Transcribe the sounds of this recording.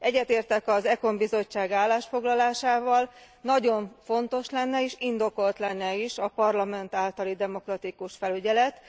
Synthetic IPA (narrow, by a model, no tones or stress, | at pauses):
ɛɟːɛt̪eːrt̪ɛkɒzɛko̞mbizo̞t͡ʃːaːɡaːlːaːʃfo̞ɡlɒlaːʃaːvɒl | nɒɟo̞ɱfo̞nt̪o̞ʃlɛnːɛiːʃind̪o̞ko̞lt̪lɛnːɛiʃɒpɒrlɒmɛnt̪aːlt̪ɒlid̪ɛmo̞krɒt̪ikuʃfɛlyɟɛlɛt̪